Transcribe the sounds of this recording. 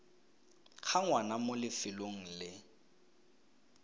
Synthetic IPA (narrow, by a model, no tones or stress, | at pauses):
k͡xʰaŋwanamolɪfɪloŋ̩lɪ